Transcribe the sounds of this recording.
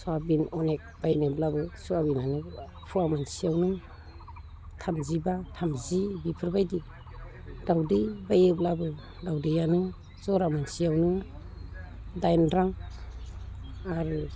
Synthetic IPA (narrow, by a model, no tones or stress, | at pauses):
suabinɔnek̚b̥ajnɯblabɯsuabinanɯ | pʰuamansiawnɯ | tʰamzibatʰamzibipʰɯɾbajdi | dawdibajɯblabɯ | dawdijanɯ | zɔɾamansiawnɯ | dajnɾaŋ | aɾu